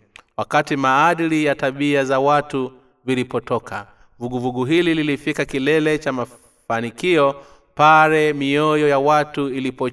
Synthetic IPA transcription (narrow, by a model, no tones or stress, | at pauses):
wakatimaːɗilijataɓiazawatu | vilipɔtɔka | vuɡuvuɡuɦilililifikakilɛlɛt͡ʃama | fanikiɔ | paɾɛmiɔjɔjawatuilipɔ